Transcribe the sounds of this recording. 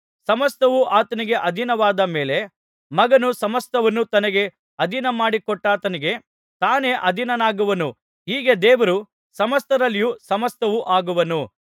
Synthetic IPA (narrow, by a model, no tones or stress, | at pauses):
sɐmɐst̪ɐʋuʔaːt̪ɐniɡe̞ʔɐd̪ʱinɐʋaːd̪ɐme̞ːle̞ | mɐɡɐnusɐmɐst̪ɐʋɐnːut̪ɐnɐɡe̞ | ɐd̪ʱinɐmaːɽikɔʈːaːt̪ɐniɡe̞ | t̪aːne̞ːʔɐd̪ʱinɐnaːɡuʋɐnu | ɦiːɡe̞d̪eːʋɐɾu | sɐmɐst̪ɐɾɐlːijusɐmɐst̪ɐʋuʔaːɡuʋɐnu